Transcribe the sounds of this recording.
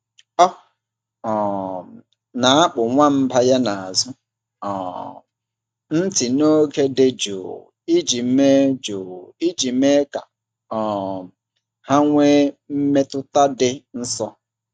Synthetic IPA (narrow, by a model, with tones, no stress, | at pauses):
ɔ˦ | ɔ˨ | na˨a˦k͡pʊ˨ŋʷa˦m̩˦pa˦ja˦na˨a˨zʊ˦ | ɔ˨ | n̩˦tɪ˨no˦ke˦de˦d͡ʒo̰˨ | i˦d͡ʒi˨˦me˦d͡ʒoː˨i˦d͡ʒi˨˦me˦ka̰˨ | ɔ˨ | ha˦ŋʷe˦m̩˦me˦tʊ˦ta˦dɪ˦n̩˦sɔ˦